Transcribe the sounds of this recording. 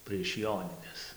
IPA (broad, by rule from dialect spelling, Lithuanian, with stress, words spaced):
pʲrʲiɛʃ ˈjoːnʲɪnʲɛs